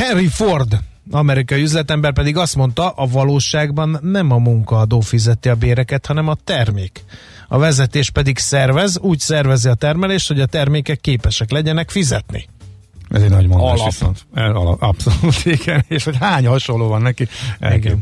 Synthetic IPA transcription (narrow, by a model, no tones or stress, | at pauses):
hɛnriford̪ | ɒmɛɾikɒjiyzlɛt̪ɛmbɛrpɛd̪iɡɒst̪mo̞n̪t̪ɒʔɒvɒloːʃaːɡbɒnːɛmɒmuŋkɒːd̪oːfizɛt̪iɒbeːɾɛkɛt̪hɒnɛmɒt̪ɛrmeːk | ɒ̰vɛzɛt̪eːʃpɛd̪iksɛrvɛzuːcsɛrvɛziɒt̪ɛrmɛleːʃt̪ho̞ɟɒt̪ɛrmeːkɛkːeːpɛʃɛklɛɟɛnɛkfizɛt̪nḭ | ʔɛ̰zɛɟnɒɟmonlot̪ɛl̰ɒpsoluːt̪iɡɛneːʃho̞chaːɲhɒʃolːoːvɒnːɛkiɛ̰ɡɛn